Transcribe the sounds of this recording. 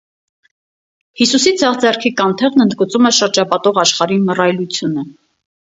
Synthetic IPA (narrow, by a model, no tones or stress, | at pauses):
hisusid͡zɑʁd͡zɛrkʰikɑnt̪ʰɛʁnənd̪ɡət͡sumɛʃəɾd͡ʒɑpɑt̪ɔʁɑʃχɑɾimərɑjlut͡sʰjunə